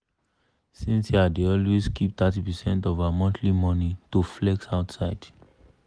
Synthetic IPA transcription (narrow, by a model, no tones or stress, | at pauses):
sĩnsiadeɔlwezkʰip̚t̪atipɛsɛ̃ntɔvamɔ̃ntʰlimɔnitoflɛksaʊtsaɪd̥